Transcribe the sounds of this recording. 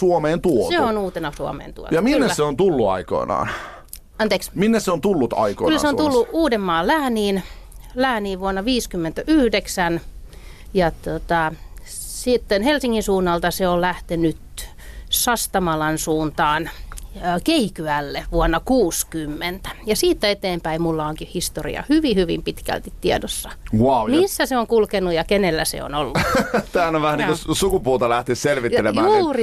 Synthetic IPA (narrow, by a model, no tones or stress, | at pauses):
suomeːnt̪uoseonuːt̪enɑsuo̰mḛːnt̪ṵo̰jɑminːesæseont̪ulːuɑ̰iko̰inɑ̰ːn | ɑnt̪eːksminːesseont̪ulːut̪ɑ̰iko̰iylːæ̰seont̪ulːuuːdemːɑːllæːniːnlæːniːʋuonːɑʋiːskymːent̪æʔyhdeksæn | jɑt̪ot̪ɑ | sit̪ːenhelsiŋːinsuːnːɑlt̪ɑseollæht̪enyt̪ | sɑst̪ɑmɑlɑnsuːnt̪ɑːnøːkeikyælːeʋuɑnːɑkuːskymːent̪æ̥jɑsiːt̪ːæet̪eːmpæimulːɑoŋkihhist̪orḭɑ̰hyʋihyʋḭmpit̪kæ̰lt̪it̪tiedosːɑ̥wɑumisːæseoŋkulkenujɑkenelːæ̰sḛo̰nolːut̪æːænoʋʋæhæniŋkusukupuːt̪ɑlæht̪esselʋit̪ːelemmæuːri